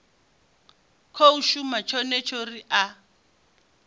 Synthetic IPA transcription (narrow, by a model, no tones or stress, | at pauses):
kʰouʃumat͡ʃʰɔnɛt͡ʃʰoriʔa